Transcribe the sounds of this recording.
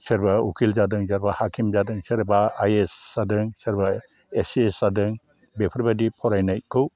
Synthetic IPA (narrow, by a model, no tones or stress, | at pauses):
seɾbaukʰild͡ʒadɯŋzaɾbahakʰimd͡ʒadɯŋseɾbaajesːadɯŋseɾba | esesadɯŋ | bepʰɐɾbadipʰɔɾajnajkʰɯw